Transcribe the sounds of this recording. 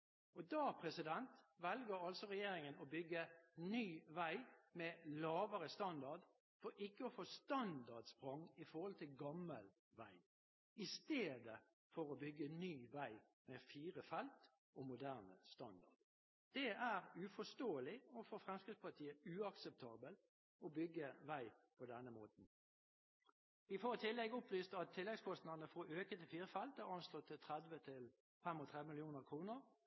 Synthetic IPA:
ɔd̪ɑːpʰʁɛsɪd̪ɛnt̪ʋɛlɡəɾɑlsɔʁɛjeːɾɪŋənɔbʏɡːənyːʋæɪmɛlɑːʋəʁəst̪ɑnd̪ɑʁd̪ | fɔɾʔɪkːəɔfoːst̪ɑnd̪ɑʁd̪spʁɔŋɪfɔʁhɔlt̪ʰɪlɡɑmːəl | ʋæ̰ɪ | ɪst̪eːd̪ə | fɔɾɔbʏɡːənyːʋæɪ | mɛfiːʁəfɛlt̪ | ʔɔmʊd̪æːʁnəst̪ɑnd̪ɑ̰ʁd̪̥ | d̪̥ɛæʁʉfɔst̪oːəlɪɔfɔfʁɛmskʁɪspɑt̪ʰiːəʉɑksəp̚t̪ʰɑːbəl | ɔbʏɡːəʋæɪpʰɔd̪ɛnːəmoːt̪n̩ | ʋɪfɔɾt̪ʰɪlːɛɡəʊpʋyːst̪ɑt̪ʰːɪlːɛɡskʰɔst̪nɑʁnəfɔøːkət̪ʰɪfiːɾəfɛlt̪æʁɑnslɔt̪ʰːɪt̪ʰʁɛd̪ʋət̪ʰɪl | fɛmɔt̪ʰʁɛd̪ʋəmɪlɪjuːnəʁkʰʁuːnəʁ

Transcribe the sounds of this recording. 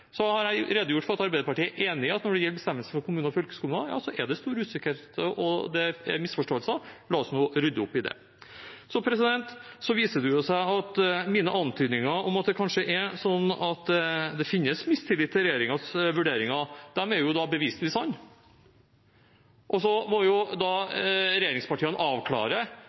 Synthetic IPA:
sɔhɑɾjæɪɾeːd̪əjʊʈːfɔɾɑt̪ɑɾbæɪd̪əpɑʈiːæʔeːnɪɑt̪nɔɖɛjɛlːbəst̪ɛmːəlsəfɔɾkʰʊmʉːnɔfœlkə̥skʊmʉnɑjɑ̰ːsɔʔɛɖɛst̪uːɾʉːsɪkəɾt̪əʔɔ̰d̪ɛɛ̰ɾmɪsfɔʂʈoːəlsəlɑːɔsnuːɾʏd̪əʊpːɪd̪ɛ̰ | sɔpʰɾɛsɪd̪ɛnt̪sɔʋiːsəɖʉjʊsæɪɑt̪miːnəʔɑnt̪ʰyːd̪nɪŋɑʔɔmɑt̪̚d̪ɛkʰɑnʂəʔɛɾsɔnːɑt̪d̪ɛfɪnːəsmɪst̪ʰɪlɪt̪ːəɾɛjeːɾɪŋɑsʋʉɖeːɾɪŋɑd̪̥æmɛɾjʊd̪ɑbəʋiːst̪lɪsɑnː | ʔɔsɔmɔjʊd̪ɑɾɛjeːɾɪŋspɑʈʰiːənʔɑːʋkʰlɑ̰ːɾə

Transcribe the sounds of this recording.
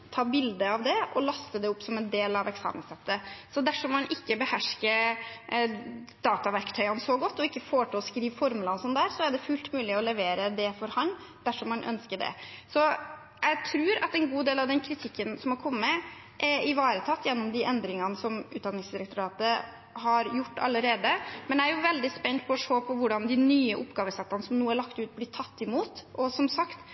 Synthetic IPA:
t̪ʰɑːbɪld̪əɑʋd̪ɛʔɔlɑst̪əd̪ɛʊpːsɔmɛnd̪eːlɑʋɛksɑ̰ːmə̰nsɛt̪ːəsɔd̪æʂɔmmɑnʔɪkːəbəhæʂkə | d̪̥ɑːt̪ɑʋæɾkt̪ʰœʏɑnsɔɡɔt̪ːɔɪkːəfoːʈɪlɔskɾiːʋfɔɾmʉlɑnsɔnd̪æːɾsɔæɖɛfʉːlt̪mʉːlɪɔlɛʋeːɾəd̪ɛfɔɾhɑnd̪̥æʂɔmːɑnʔœ̰nskəɖɛ̰sɔ | jæɪt̪ʰɾʉːɾɑ̰t̪ɛnɡuːd̪eːlɑʋd̪ɛnkʰɾɪt̪ʰɪkːənsɔmhɑɾkʰɔmːəə | ʔɛɪʋɑːɾət̪ʰɑt̪ːjɛnːʊmd̪ɪʔɛnd̪ɾɪŋɑnəsɔmʉːt̪̚d̪ɑnɪŋsd̪ɪɾək̚t̪ʊɾɑːt̪ə | hɑɾjʊʈːɑ̰lːəɾeːd̪əmɛnæɾjʊʋɛld̪ɪspɛnt̪̚pʰɔːʂoːpʰɔʋʊɖɑnd̪ɪnyːəʔʊpːɡɑːʋəsɛt̪ːɑnəsɔmnuːəæɭɑkt̪ʉːt̪̚blɪt̪ʰɑt̪ːɪmuːt̪ɔsɔmsɑkt̪

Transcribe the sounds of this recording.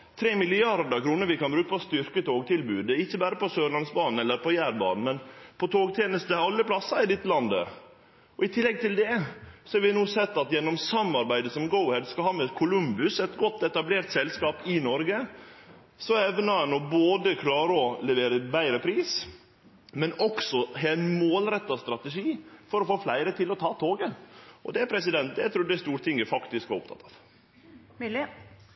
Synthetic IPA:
t̪ʰɾeːmɪlɪɑɾd̪əkʰɾuːnəɾʋɪkɑnbɾʉːkəpɔst̪ʏɾkət̪ʰoːɡ̚t̪ʰɪlbʉːd̪əɪçːəbæːɾəpɔsøːɭɑnsbɑːnn̩ɛlːəɾpʰɔjæːɾbɑ̰ːnn̩mɛnpʰɔt̪ʰoːɡt̪ʰjeːnəst̪əɑlːəpʰlɑsːɑɪd̪ɪt̪ːlɑnd̪ə̰ | ɔɪt̪ʰɪlːɛɡ̚t̪ʰɪld̪ɛsɔɛɾʋɪnuːsɛt̪ːɑt̪jɛnːɔmsɑmːɑɾbæɪd̪əsɔmɡɔʊhɛd̪skɑhɑːmɛkʰʊlʉmbʉsɛt̪ɡɔt̪ːɛt̪ɑbleːɾt̪sɛlskɑːpɪnɔɾɡə | sɔɛʋnɑɑnɔboːd̪əkʰlɑːɾəɔlɛʋeːɾəbæɪɾəpʰɾiːs | mɛnɔksɔɦeːnmoːlɾɛt̪ːɑst̪ɾɑt̪əʂiːfɔɾɔfoːflæɪɾət̪ʰɪlɔt̪ʰɑːt̪ʰoːɡəʔɔ̰d̪ɛæpʰɾɛs̬ɪd̪ɛnt̪̚d̪ɛɪt̪ɾuːɖ̪ɛst̪uːɾt̪ʰɪŋːəfɑkt̪ɪskʋɑʊpt̪ʰɑ̰t̪ːɑʋ | l

